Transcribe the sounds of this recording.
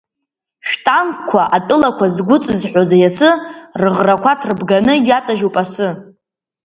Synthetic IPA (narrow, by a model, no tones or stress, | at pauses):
ʃᶣtʼamkʷʰaʔatʼɨlakʷʰazɡʷʊt͡sʼɨzħʷozajat͡sʰɨrɨʁrakʷʰatʰrbɡanɨjʲat͡sʼaʒupʼasɨ